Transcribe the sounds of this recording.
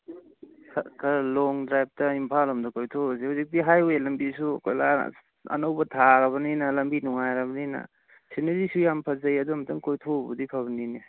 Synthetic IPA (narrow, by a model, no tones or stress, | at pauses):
kʰɐkʰɐɾlɔŋdɾajb̚tɐimpʰalɐmdɐkojtʰobɐsehuzik̚diɦajwelɐmbisukojla̰ | ɐ̰nɐwbɐtʰaɾɐβɐninɐlɐmbinuŋajɾɐbɐninɐ̰ | siniɾisujampʰɐzɐjadumɐtʰaŋkojtʰobṵdipʰaβɐnini